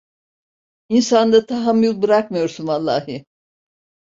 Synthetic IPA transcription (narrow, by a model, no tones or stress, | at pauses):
insand̪at̪ʰaɦamjulˠbɯɾak̚majo̞ɾsunvalˠːaːɦɯ